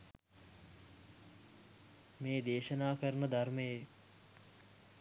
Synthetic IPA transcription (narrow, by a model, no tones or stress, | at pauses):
meːd̪eːʃɐnaːkəɾnəd̪ʱarmeje